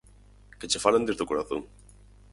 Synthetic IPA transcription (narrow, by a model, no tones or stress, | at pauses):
ket͡ʃefaland̪ezðokoɾaθoŋ